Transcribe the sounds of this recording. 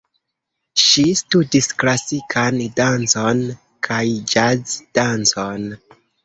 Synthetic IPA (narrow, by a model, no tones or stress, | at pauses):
ʃistudisklasikʰandant͡so̞n | kʰajd͡ʒazd̥ant͡son